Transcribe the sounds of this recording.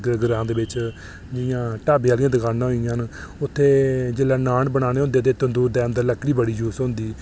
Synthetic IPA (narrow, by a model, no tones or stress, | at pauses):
əɡəɾãːd̪eːbɪt͡ʃ | d͡ʒɪjãːʈaːbeaːlijãːd̪əkʰaːnãːɦoɪjãːnʊt̪ʰːeːd͡ʒeːlaːnaːɳbəɳaːñeːɦʊ̃nd̪eːt̪eːt̪ənd̪uːɾd̪eːə̃nd̪əɾləkʰːɽiːbəɽiːd͡ʒuːsɦʊ̃nd̪iː